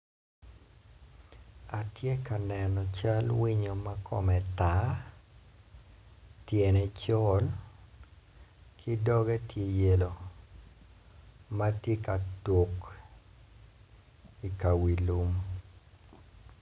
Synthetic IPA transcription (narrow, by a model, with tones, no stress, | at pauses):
a˨tje˦ka˨nɛ˨nɔ˨t͡ʃa˦lwi˦ɲo˦ma˦kʰɔ̰˨mɛ˨ta˨˦ | tje˨nɛ˦t͡ʃɔ˦l | kʰi˦dɔ˦ɡɛ˦tje˦je˦lo˨ | ma˦tje˦ka˨to˨k | i˨ka˨wi˨lu˦m